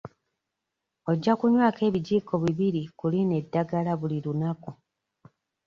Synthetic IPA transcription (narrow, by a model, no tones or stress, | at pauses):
o̞ɟːakuɲwaːke̞ːβiɟiːko̞βiβiɾikuline̞dːaɡalaβuliɾunaku